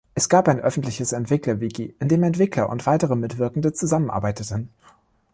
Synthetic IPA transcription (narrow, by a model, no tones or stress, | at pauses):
ʔɛsɡ̥aːpaɪnʔœfn̩tlɪçəsɛntv̥ɪklɐviɡiʔɪndeːmɛntv̥ɪklɐʔʊ̰ntv̥aɪtəʁəmɪtv̥ɪɐkŋ̩dət͡suzamənʔa̰ɐbaɪtətən̩